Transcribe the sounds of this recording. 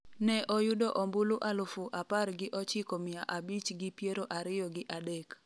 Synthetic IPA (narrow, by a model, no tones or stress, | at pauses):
nɛʔɔjʊdoʔɔmbuluʔalʊfʊʔaparɡɪʔɔt͡ʃɪkomɪjaʔabit͡ʃɡɪpjeɾoʔaɾɪjɔɡɪʔadek